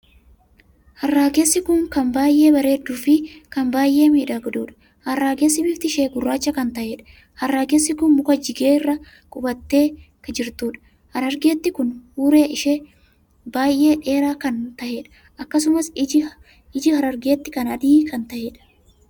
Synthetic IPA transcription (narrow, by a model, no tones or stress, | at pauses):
hɐrːaːɡe̞ːsːɪkʊŋkɐmbaːjʔe̞ːbɐɾe̞ːd̪ːuːfɪkɐmbaːjʔe̞ːmiːᶑɐɡɐd̪uːᶑɐ̥ | hɐrːaːɡe̞ːs̬ːɪbɪft̪ɪʃeːɡʊrːaːt͡ʃːɐkɐnt̪ɐʔeːᶑɐ̥ | hɐrːaːɡeːsːɪkʊnmʊkɐd͡ʒɪɡeːɪrːɐ | kʼʊbɐt̪ːe̞ː | kɐd͡ʒɪɾt̪uːᶑɐ̥ | hɐɾɐɾɡe̞ːt̪ːɪkʊnhuːɾe̞ːʔɪʃeː | baːjʔe̞ːᶑe̞ːɾaːkɐnt̪ɐʔe̞ːᶑɐ̥ | ʔɐkːɐs̬ʊmɐsɪ | ɪd͡ʒɪhɐɾɐɾɡe̞ːt̪ːɪkɐnɐd̪iːkɐnt̪ɐʔeːᶑɐ̥